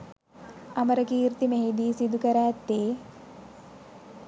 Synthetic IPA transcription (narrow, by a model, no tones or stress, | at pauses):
ɐməɾəkiːɾt̪imeɦid̪iːsid̪ukəɾæːt̪ːeː